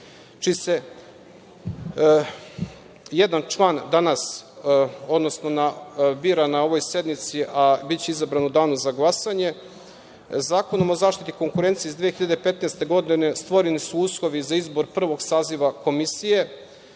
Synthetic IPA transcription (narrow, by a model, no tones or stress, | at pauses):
t͡ʃise̞ | jed̪ant͡ʃlˠand̪anas | o̞d̪no̞sno̞nabiːɾanao̞ʋo̞jse̞d̪mit̪siʔabit͡ɕeizabɾanud̪aːnuzaɡlˠasaɲe̞ | zaːko̞nomozaːʃt̪it̪iko̞ŋkuɾe̞nt̪sijeizd̪ʋijexiʎad̪epe̞t̪nest̪e̞ɡo̞d̪ine̞st̪ʋo̞ɾenisuuslˠo̞ʋizaizbo̞ɾpr̩ʋo̞ɡsaːziʋako̞misije̞